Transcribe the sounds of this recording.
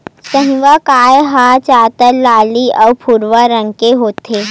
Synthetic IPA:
sə̃ɦĩʋakajɦat͡ɕat̪əllːaːliʔəwpʰuɾʋəɾəŋkeɦoːt̪ʰe

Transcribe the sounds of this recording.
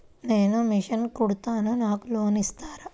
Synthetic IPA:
ne̞ːnumiʂɐnkuɽut̪aːnɐnaːkuloːnist̪aːɾɐ

